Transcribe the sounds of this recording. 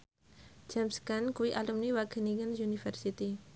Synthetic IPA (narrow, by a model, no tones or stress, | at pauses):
d͡ʒamskankuwiʔalumniwakəniŋənsunifɛrsit̪i